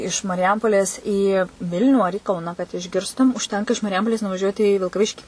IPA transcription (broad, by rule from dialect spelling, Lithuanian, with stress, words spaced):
ɪʃ mɐrʲɪˈjɛmpoːlʲeːs iː ˈʋʲɪlʲnʲuː ɐr iː ˈkɐʊnɐ kɐt ɪʒʲˈɡʲɪrstʊm ʊʃʲˈtʲɛŋkɐ ɪʃ mɐrʲɪˈjɛmpoːlʲeːs nʊʋɐˈʒʲuɔtʲɪ iː ʋʲɪlˠkɐˈʋʲɪʃʲkʲiː